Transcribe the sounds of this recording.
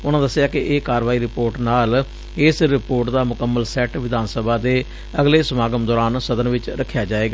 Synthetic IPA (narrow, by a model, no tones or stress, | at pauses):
ʊnãːd̪əsːɪjaːkɪʔeːkaːɾʋaːiːɾɪpoːɾʈnaːl | ɪsɾɪpoːɾʈd̪aːmʊkəmːəlsɛʈʋɪd̪aːnsəbʱaːd̪eː | əɡleːsəmaːɡəmd̪ɔːɾaːnsəd̪ənʋɪt͡ʃɾəkʰːjaːd͡ʒaːeːɡaː